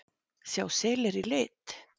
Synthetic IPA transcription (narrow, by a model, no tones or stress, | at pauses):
sjaːwseːlɪɾilɪːt̪